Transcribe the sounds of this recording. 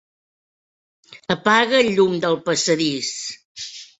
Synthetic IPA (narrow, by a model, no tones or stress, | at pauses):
əpaɣəʎumd̪əlˠpəsəðis